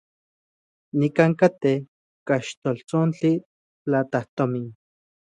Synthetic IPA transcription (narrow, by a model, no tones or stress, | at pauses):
nikaŋkat̪eh | kaʃt̪olt͡sont͡ɬi | t͡ɬat̪aht̪omin